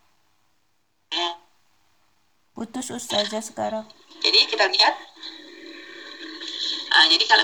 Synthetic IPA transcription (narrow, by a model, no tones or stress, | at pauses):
put̪ʊsust̪ad͡ʒasəkaɾaŋ | d͡ʒadikit̪aliɦat̪̚ | ʔəd͡ʒadikala